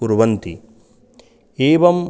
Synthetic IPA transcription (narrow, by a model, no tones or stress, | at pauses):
uɾʋɐnt̪i | eːʋɐm